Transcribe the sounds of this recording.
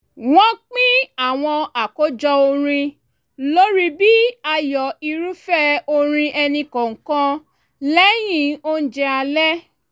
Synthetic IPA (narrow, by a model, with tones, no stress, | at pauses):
wɔ̃˦k͡pĩ˦a˦˨w̃ɔ̃˧a˨ko˨˦d͡ʒɔ˧o˧ɾ̃ĩ˧ | lo˦ɾi˦bi˦a˧jɔ˨i˧ɾu˦fɛ˦o˧ɾ̃ĩ˧ʔɛ˧nĩ˧kɔ̃˨ŋ̩˨kã˧ | lɛ˦j̃ĩ˦˨o˦n̩˦d͡ʒɛ˧a˧lɛ˦